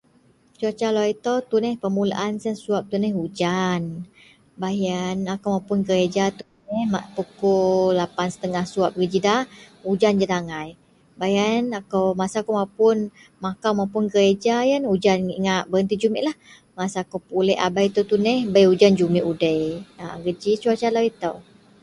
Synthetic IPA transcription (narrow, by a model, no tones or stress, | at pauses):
t͡ʃuat͡ʃaloit̪ot̪unɛhpəmula̰ʔansənsuap̚t̪unɛhud͡ʒan | bajanakowmawpʊnɡəɾed͡ʒat̪unɛhmaʔpukolapansə̥t̪əŋahsuap̚ɡəd͡ʒidaud͡ʒand͡ʒat̪aŋaj | bajanakowmasakomawpʊn | makawmawpʊnɡəɾed͡ʒajanud͡ʒaniŋaʔbəənt̪id͡ʒumɛʔlah | masaːkowpulɛʔa̰bajt̪ut̪unɛhbəjud͡ʒand͡ʒumiʔudəjaɡəd͡ʒit͡ʃuat͡ʃalawit̪əw